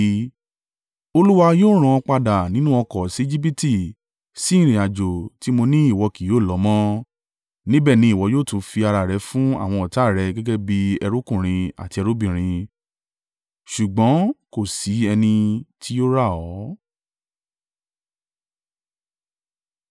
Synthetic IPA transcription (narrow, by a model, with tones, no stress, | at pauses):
o˧lu˦wa˧joː˦ɾ̃ã˧k͡pa˧da˨nĩ˨˦nũ˦ɔ˧kɔ˨si˨˦i˦d͡ʒi˦p̬i˦ti˦˨ | sĩ˨˦˨ɾĩ˨a˨d͡ʒo˨ti˨˦mo˧nĩ˦i˦˨wɔ˧ki˨joː˦˨lɔ˨˦mɔ̃˦ | nĩ˦bɛ˦˨nĩ˨˦i˦˨wɔ˨˧˦joː˦˨tũ˨˧˦fi˧a˧ɾa˨ɾɛ˨˧˦fũ˦a̰˦˨w̃ɔ̃˧ɔ˨ta˨˦˨ɾɛ˧ɡɛ˦ɡɛ˦bi˦ɛ˧ɾo˦kũ˦˨ɾ̃ĩ˧a̰˨ti˧ɛ˧ɾo˦bĩ˨ɾ̃ĩ˧ | ʃu˨ɡ͡bɔ̃˨˦ko˦˨si˨˦ɛ˧nĩ˧tʰi˦jo˦ɾa˦˨ɔ˨˦